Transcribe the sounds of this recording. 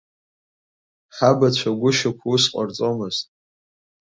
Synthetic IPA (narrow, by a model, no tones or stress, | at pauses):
ħabat͡ɕʷʰaɡʷʊʃakʷʰusqʷʼart͡sʼomɨz̥tʼ